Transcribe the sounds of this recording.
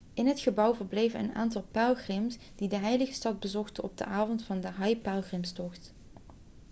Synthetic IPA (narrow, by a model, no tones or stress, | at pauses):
ʔɪnɦətχəbʌwvəɹblejvənə̰na̰ːntɑlˠpɛlˠχrɪms | d̥idəɦɛjləχəstɑd̚bəzɔχtənɔb̚də̰ʔaːvɔntfɑndəɦɑjpalˠχrɪmstɔχt